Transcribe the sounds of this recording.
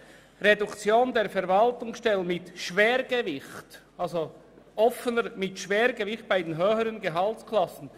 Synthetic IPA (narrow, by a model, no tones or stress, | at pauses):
ʁedʊkt͡sjoːndeːɾfɛɾvɑltʊŋsʃtɛlənmɪtʃveːɾɡəvɪçt | alzo | ʔɔfənəɾmɪtʃv̥eːɾɡəvɪχt̚b̥aɪdenɦøːhəɾənɡəɦɑltkʰlɑsn̩